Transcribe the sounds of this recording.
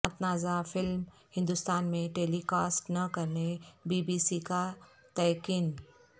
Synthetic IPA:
at̪naːzafɪlm | hɪ̃nd̪ʊst̪aːnmẽʈeːlikaːsknɐkɐɾnebiːbiːsika | t̪ɐjkiːn

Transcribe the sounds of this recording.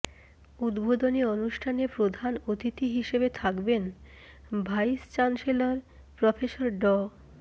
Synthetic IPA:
ud̪bod̪onionuʃʈʰanepɾod̪ʱanot̪it̪iɦiʃebet̪ʰakben | bʱajst͡ɕanselaɾ | pɾɔfeʃoɾɖɔ

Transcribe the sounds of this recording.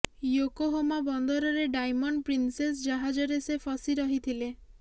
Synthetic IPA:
jokoɦomabɔnd̪ɔɾɔɾeɖajmɔɳɖpɾinses̬d͡ʒaɦad͡ʒɔɾesepʰɔsiɾɔɦit̪ʰile

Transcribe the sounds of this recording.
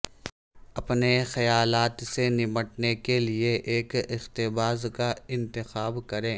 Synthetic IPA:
ɐpnexɐjaːlaːt̪senɪməʈnekelieʔeːkɪxt̪ɪbaːzkaɪ̃nt̪ɪxaːbkɐɾẽː

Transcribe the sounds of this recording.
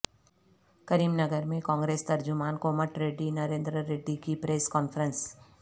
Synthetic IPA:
kɐɾiːmnɐɡəɾmẽkɔ̃ːŋɡɾeːst̪ɐɾd͡ʒʊmaːnkoːməʈɾeːɖinɐɾẽːnd̪ɾəɾeːɖikipɾeːskɔːnfʰəɾə̃ns

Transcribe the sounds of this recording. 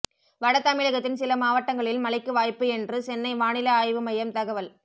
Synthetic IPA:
ʋɐɽɐt̪ːɐmɪɻɐɣɐt̪ːɪnsɪlɐmaːʋɐʈːɐŋɡɐɭɪlmɐlɐɪkːɯʋaːjpːɯɛndrɯsɛnːɐɪʋaːnɪlɐaːjʋɯmɐjɐmt̪ɐɣɐʋɐl

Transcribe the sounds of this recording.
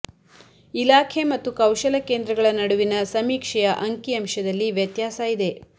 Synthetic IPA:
ilaːkʰe̞mɐt̪ːukɐwʃɐlɐkeːnd̪ɾɐɡɐɭɐnɐɽuʋinɐsɐmiːkʂɐjɐʔɐŋkiɐmʃɐd̪ɐlːiʋjɐt̪jaːsaːjid̪e̞

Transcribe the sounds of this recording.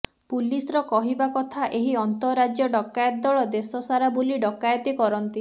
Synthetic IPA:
pulisɔɾɔkɔɦibakɔt̪ʰaʔeɦiɔnt̪ɔɾad͡ʒjɔɖɔkːajɔt̪̚ːɔɭɔd̪esɔsaɾabuliɖɔkajɔt̪ikɔɾɔnt̪i

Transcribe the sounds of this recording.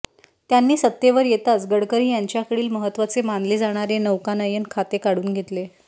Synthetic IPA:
t̪janːiːsət̪jeʋəɾjet̪at͡sɡəɽkəɾiːjaɲt͡ɕjakəɽiːlməɦət̪ːʋat͡semand̪lid͡zaɽ̃aɾenəʋkanajənkʰat̪ekaɽuːnɡʱet̪le

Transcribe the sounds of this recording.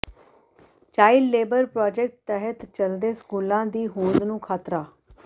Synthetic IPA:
t͡ʃaːilːeːbəɾpɾaːd͡ʒɛk̚ʈ̚t̪ɛɦət̪t͡ʃəld̪eːskuːlãːd̪iːɦũːd̪nũːkʰaːt̪ɾaː

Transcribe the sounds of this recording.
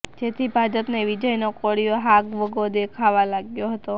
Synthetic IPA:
d͡ʒet̪ʰibʱad͡ʒəpneʋid͡ʒəjnokoɽijoɦakʋəɡod̪ekʰaʋalaɡjoɦət̪o

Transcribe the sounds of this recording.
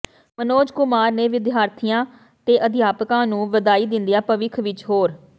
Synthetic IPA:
mənoːd͡ʒkʊmaːɾneːʋɪd̪ɪaːɾt̪ʰijãː | t̪eːʔəd̪ʱɪjaːpkãːnũːʋəd̪aːiːd̪ɪnd̪ijaːpəʋɪkʰʋɪt͡ʃɦoːɾ

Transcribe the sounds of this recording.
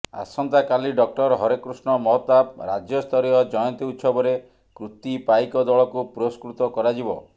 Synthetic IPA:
a̰sɔnt̪akaliɖɔk̚ʈɔɾɦɔɾekɾusɳɔmɔɦɔt̪ap̚ɾad͡ʒjɔst̪ʰɔɾijɔd͡ʒɔjɔnt̪iut̪sɔbɔɾe | kɾut̪ipaikɔd̪ɔɭɔkupɾoskɾut̪ɔkɔɾad͡ʒibɔ̰

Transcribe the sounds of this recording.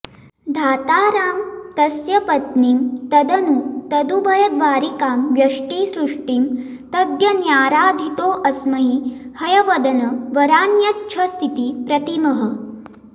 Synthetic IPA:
d̪ʱaːt̪aːɾaːmt̪ɐsjɐpɐt̪niːmt̪ɐd̪ɐnut̪ɐd̪ubɐjɐd̪ʋaːɾikaːmʋjɐʂʈiːsɾuʂʈim | t̪ɐd̪jɐnjaːɾaːd̪ʱit̪oːʔɐsmɐɦihɐjɐʋɐd̪ɐnɐʋɐɾaːnjɐtːʃʰɐst̪ʰit̪ipɾɐt̪imɐɦɐ̆

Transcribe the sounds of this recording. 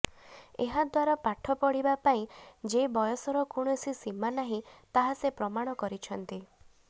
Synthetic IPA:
eɦad̪waɾapaʈʰɔpɔɽibapaĩd͡ʒebɔjɔsɔɾɔkuɽ̃ɔsisimanaɦĩt̪aɦasepɾɔmaɽ̃ɔkɔɾit͡ʃʰɔnt̪i

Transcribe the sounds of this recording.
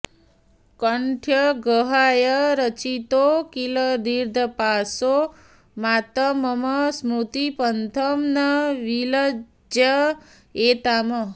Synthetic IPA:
kəɳʈʰjəɡəɦajəɾət͡ʃit̪okiləd̪iɾd̪ʱəpaso | mat̪əməməsmut̪ipənt̪ʰəmnəʋilə | d͡ʒjə | et̪amə

